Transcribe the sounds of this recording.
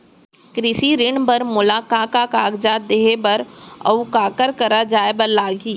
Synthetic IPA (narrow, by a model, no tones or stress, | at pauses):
kɾɪsiɾɪɳbɐɾmʊlaːkaːkakaːɡd͡ʒaːt̪̚d̪eːɦebɐɾɐ̰ʋkaːkəɾkɐɾad͡ʒaːebəɾlaːɡiː